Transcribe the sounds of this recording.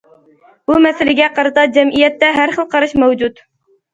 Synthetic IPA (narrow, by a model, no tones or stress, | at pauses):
b̥umɛsɪlɪɡʲɛqɑɾɨt̪ɑd͡ʒɛmʔijɛt̪ːɛɦæɾχəlˠqʰɑɾɑʃmæwd͡ʒut̪